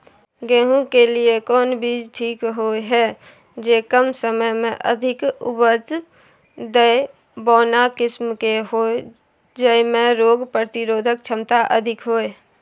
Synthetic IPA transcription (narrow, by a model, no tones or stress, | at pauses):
ɡeːɦũkeliekɔːnbiːd͡ʒʈʰiːkɦoeɦɛ | d͡ʒeːkəmsəməjmẽʔə̰d̪ʱɪkʊ̰bət͡ʃ | d̪əe | bɔːnakɪsmkeɦoː | d͡ʒəimẽɾoːɡpɾət̪ɪɾoːd̪ʱək̚t͡ʃʰəmt̪aʔəd̪ʱɪkɦoe